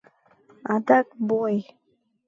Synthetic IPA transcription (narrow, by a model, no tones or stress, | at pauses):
at̪ak̚boj